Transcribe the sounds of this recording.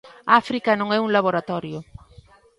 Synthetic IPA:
afɾikɐnõŋɛuŋlaβoɾat̪ɔɾjʊ

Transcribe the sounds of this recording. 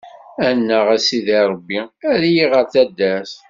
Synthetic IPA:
ænːəʁæsiðiɾˤəbːiæɾjiʁəɾθæd̪ːæs

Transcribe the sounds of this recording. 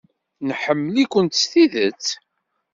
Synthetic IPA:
nħəmːəlikʷənt̪sθiðət͡sː

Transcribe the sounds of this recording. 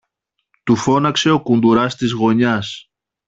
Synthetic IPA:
t̪ufo̞nɐkse̞o̞kund̪uɾɐst̪izɣo̞ɲɐs

